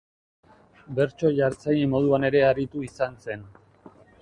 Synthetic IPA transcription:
be̞ɾt͡ʃo̞ʝaɾt͡sajimo̞ð̞uane̞ɾe̞aɾit̪uisanse̞n

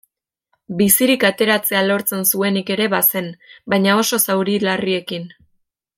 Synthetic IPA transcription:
bisiɾikat̪e̞ɾat͡se̞alo̞ɾt͡se̞nsue̞nike̞ɾe̞βase̞nbajɲao̞so̞sawɾilarie̞kin

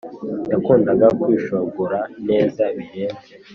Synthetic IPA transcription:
dakuːndaɡakwiːʃoɡuɾane̞ːzaβiɾeːnze

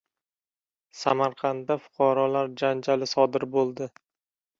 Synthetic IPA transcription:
samaɾqʰɑnd̪afʊ̥qʰɑɾɒlaɾd͡ʒand͡ʒalɪsɒd̪ɪɾbolˠd̪ɪ

